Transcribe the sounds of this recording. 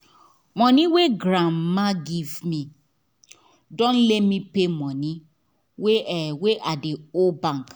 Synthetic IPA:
mɔ̃niweɡɾãmmaɡivmi | dõnlɛtmipemɔ̃ni | weweʔadeobãŋk

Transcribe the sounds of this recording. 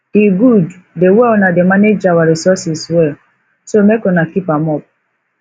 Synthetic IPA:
diɡud | dewɛɔnademaned͡ʒawaɹisɔsiswɛ | somekɔnakipãmɔp̚

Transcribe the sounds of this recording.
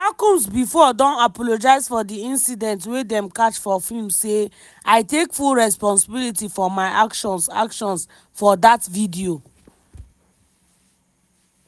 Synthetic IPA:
akũmsbifɔdɔ̃napɔlod͡ʒaɪzfɔdiĩnsidɛ̃ntwedɛ̃mkat͡ʃfɔfilmse | aɪtekfulɹɛspɔ̃nsibilitifɔmaɪakʃɔ̃nsa̰kʃɔ̃ns | fɔdatvidio

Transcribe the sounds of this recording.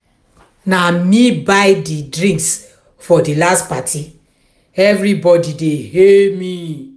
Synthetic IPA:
namĩbajdidɾĩŋks | fɔdilastpatʰi | ɛvɾibɔdidehemĩ

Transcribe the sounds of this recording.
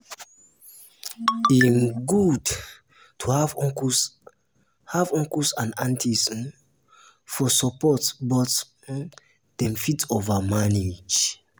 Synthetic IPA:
inɡud | tʰuhavks | havɔ̃ŋkusãnãntʰisn | fɔsɔpɔtbɔt | d̥ɛ̃mfitovamaned͡ʒ

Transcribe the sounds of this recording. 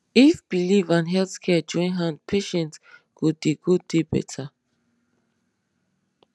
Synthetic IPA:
ifb̥ilivãnɦɛlθkʰɛd͡ʒɔ̃ĩnɦãndpʰeʃɛ̃nt | kud̚diɡud̚debɛ̰tʰa

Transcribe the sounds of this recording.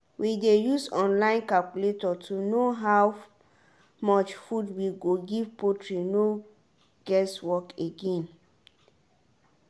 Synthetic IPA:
widejusɔ̃nlãɪ̃nkalkuletɔtʰunoɦaw | mɔt͡ʃfudwiɡoɡivpotʰɹino | ɡ̥ɛswɔkeɡɛ̃n

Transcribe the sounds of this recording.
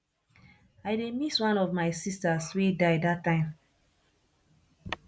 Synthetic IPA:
aɪdemiswãnɔvmaɪsistaswedaɪdatːãɪ̃m

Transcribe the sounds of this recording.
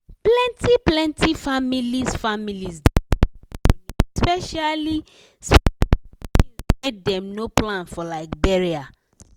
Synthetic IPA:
plɛ̃ntiplɛ̃ntʰifamilisfamilizd | spɛʃali | s | iet̚dɛ̃mnoplãnfɔlaɪk̚bɛɹia

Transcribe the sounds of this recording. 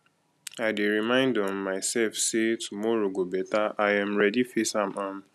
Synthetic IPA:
aɪdeɾimãɪ̃ndɔmːaɪsɛlfsetʰumɔɾoɡobɛtaajãmɹɛdifesãmʔãm

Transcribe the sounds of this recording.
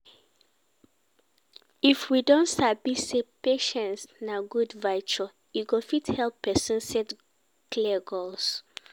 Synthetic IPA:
ifwidɔ̃ntsabisepeʃɛ̃nsnaɡudvaɪt͡ʃu | juɡofithɛlˠpːɛsɔ̃nsɛt | kliəɡols

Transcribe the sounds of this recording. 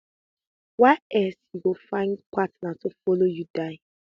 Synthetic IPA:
waɪɛsjuɡofãɪ̃nkʷwatnatʊfɔlojudaɪ

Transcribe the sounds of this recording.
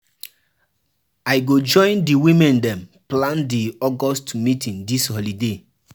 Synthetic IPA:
aɪɡod͡ʒɔ̃ɪ̃ndiwĩmɛ̃ndɛ̃mplãndiɔɡɔstmitʰĩndishɔlide

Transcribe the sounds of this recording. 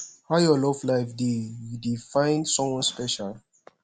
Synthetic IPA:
hajɔlɔvlaɪfdejudifãɪ̃nsɔ̃mwɔ̃nspɛʃal

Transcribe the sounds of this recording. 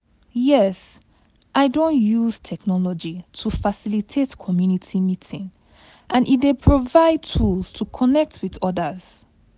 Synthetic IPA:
jɛs | ʔaɪdõnjuz̥tʰɛknɔlɔd͡ʒitʰufasilitʰetkʰɔmjunitʰimitʰĩŋ | ʔãnʔit̚depʰɹovaɪd̚tʰulz̥tʰukʰɔnɛk̚tʰwiðɔdəz̥

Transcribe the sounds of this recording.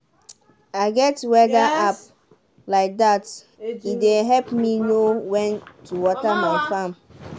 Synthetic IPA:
aɪɡɛtwɛdaʔap | laɪk̚dat | ideɦɛlpminowɛ̃ntuwɔtamaɪfãm

